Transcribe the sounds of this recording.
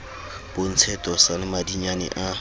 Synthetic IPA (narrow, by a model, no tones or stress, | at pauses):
b̥on̩t͡sʰɛtʼɔsalɪmadiɲanɛ̰ʔa